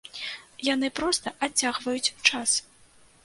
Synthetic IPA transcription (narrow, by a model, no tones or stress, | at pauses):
janɨpɾɔst̪ɐʔat͡sʲːaɣvɐjut͡sʲt͡ʂas